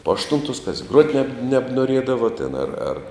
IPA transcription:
poː ɐʃˈtʊntoːs kɐs ɡruɔtʲ nʲɛp nʲɛbnuɔˈrʲiɛdɐʋoː tʲeːn ɐr ɐr

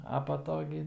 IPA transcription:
ɐ pɐ ˈtoː ɡʲɪ

